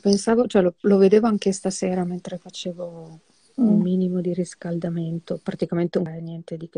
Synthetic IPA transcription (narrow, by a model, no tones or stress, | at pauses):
pensaːvot͡ʃoɛloloved̪eːvoaŋk̟est̪aseːɾament̪ɾefat͡ʃeːvo | umːiːnimod̪iɾiskald̪ament̪opɾat̪ikament̪eenjɛnt̪ed̪ik